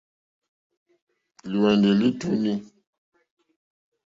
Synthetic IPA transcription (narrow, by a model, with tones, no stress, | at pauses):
lu˨wɛ˨ndə˨li˦tu˦ni˦